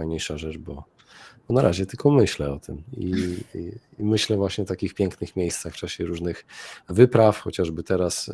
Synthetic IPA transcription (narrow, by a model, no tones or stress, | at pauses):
ajɲejʂaʐɛt͡ʂbɔ | b̥ɔnaɾʔa̰ʑɛt̪ɘlkʰɔmɘɕlɛɔt̪ɘmḭ | imɘɕlɛvwaɕɲɛt̪akʲixpʲjɛŋknɘxmʲjejst̪saxft͡ʂaɕɛɾuʐnɘxvɘpɾafxɔt͡ɕaʐbɘt̪ɛɾas